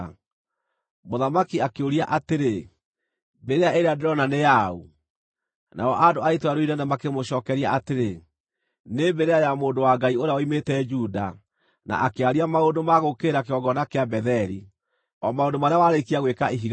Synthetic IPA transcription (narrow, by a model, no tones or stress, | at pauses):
moðamakiakeoɾiaʔateɾe | beɾeaʔeɾeadeɾɔnanejau | nʔa̰ɔʔadoaetwaɾoinɛnamakemoɕɔːkɛɾiaʔateɾe | nembɛɾeajamoːndowaɡaioɾeawɔimetɛd͡ʒuda̰ | na̰ʔakeaɾiamaondomaɣokeːɾakeɔɡɔnakeabɛðɛɾi | ɔmaondomaɾeawaɾekiaɣwekaiɦiɣ